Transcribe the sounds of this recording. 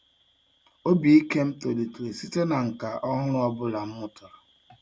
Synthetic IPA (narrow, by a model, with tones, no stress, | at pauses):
o˦bi˨i˦ke˦m̩˦to˨di˨tɾe˨si˦te˦na˨ŋ̩˨ka˨ʔɔ˦ɦʊ˦ɾʊ˦ɔ˦bʊ˦la˨m̩˦mʊ˦tʊ˨ɾa˨